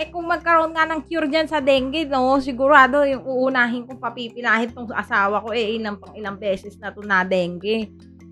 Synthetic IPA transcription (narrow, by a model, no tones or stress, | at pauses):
ɛkʊŋmɐɡ̚kɐɾoʔonŋanɐŋkjuɾd͡ʒansɐd̪ɛːŋɡɛno̞s̬ɪɡʊɾaːd̪o̞jʊŋuːʔːnaːɦɪnkʊŋpɐpiːpɪnaːhɪnt̪oŋʔɐ̰saːwɐko̞ʔɛʔɪlɐmpɐŋɪlɐŋbɛːsɛsnɐt̪onɐd̪ɛŋɡɛ